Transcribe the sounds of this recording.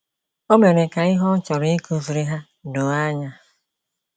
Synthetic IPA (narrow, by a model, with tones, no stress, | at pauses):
o˦me˨ɾe˨ka˨ɪ˦ɦɔ˦t͡ʃɔ˨ɾi˦ku˦vu˨ɾi˦ɦa˦ | do˨a˦ɲa˦